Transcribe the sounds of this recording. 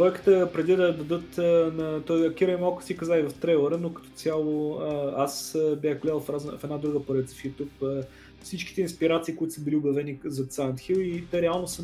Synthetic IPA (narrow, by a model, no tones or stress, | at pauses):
vɔjkə̥t̪əpɾɛd̪id̪ɐd̪ɐd̪ɤt̪ənɐt̪ɔjɐkʲiɾəimalˠkʊ̥sikɐzaivɐft̪ɾɛlˠəɾənokɐ̥t̪ɔ̥sʲalˠoəasəbʲjaxɡlɛlˠfɾazfɛd̪ad̪ɾuɡəpoɾɛt̪sə̥fit̪upə | fsit͡ʃkʲi̥t̪ɛinspiɾat̪siːkʊit̪ʊ̥səbiliʊbɐvɛnizɐt̪sant̪xilit̪ɛɾɛalˠnosə